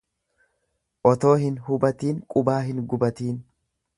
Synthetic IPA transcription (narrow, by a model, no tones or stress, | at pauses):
ʔɔt̪o̞ːhɪnhʊbɐt̪iːŋkʼʊbaːɦɪnɡʊbɐt̪iːn